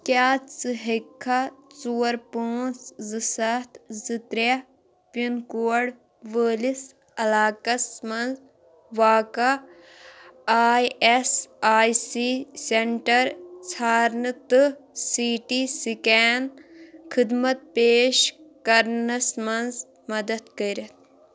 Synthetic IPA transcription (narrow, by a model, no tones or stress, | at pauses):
kʲaːsɨɦikʰːat͡suːɐɾpoːnszɨsɐt̪zɨt̪ɾɐ | pinkuːɐɽ | ʋəːlis | ɐlaːkɐsmɐnz | ʋaːkɐ | aːjesaːjsiseɳʈɐɾt͡sʰaːɾnɨt̪ɨsiːʈisikaːnkʰid̪mɐt̪̚peːʃkɐɾnɐsmɐnz | mɐd̪ɐt̪kɐɾɐt̪̚ʰ